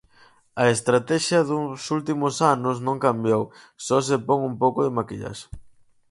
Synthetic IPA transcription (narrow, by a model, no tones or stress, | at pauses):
ɐest̪ɾat̪ɛʃjɐðusult̪imʊsanʊsnõŋkambjow | sɔs̬epoŋumpowkʊðɪmakiʎa̰ʃ